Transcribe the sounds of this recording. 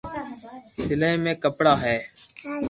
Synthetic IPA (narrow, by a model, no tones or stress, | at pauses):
sɪləmẽːkəpɽaːɦɛː